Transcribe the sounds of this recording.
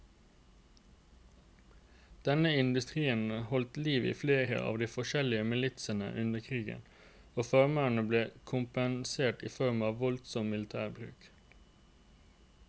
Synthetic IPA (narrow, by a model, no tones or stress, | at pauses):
d̪̥ɛnəɪnd̪ʉst̪ʁiːənəhɔlt̪liːʋḭːfleːʁə̰ʔɑ̰ːʋd̪iːfɔʃɛlɪəmɪlɪt̪sənə̰ʔʉnəkʰʁiːɡə̰n | oːfɑʁməɳəbleːkʰʊmpənseːʈiːfɔʁmɑːʋʋɔlt̪sɔmmɪlɪt̪ʰæːʁbʁʉ̰ːk